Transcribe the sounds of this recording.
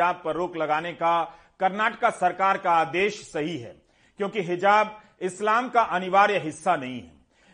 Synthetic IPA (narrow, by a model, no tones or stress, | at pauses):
aːb̚pɐɾːoːklɐɡaːneka | kɐɾnaːʈəkasɐɾkaːɾkaaːd̪eːʃsɐɦiɦɛ̰ː | kjõːkiɦɪd͡ʒaːb | ɪslaːmkaʔɐnɪʋaːɾjəɦɪsːanɐɦĩɦɛ̰ː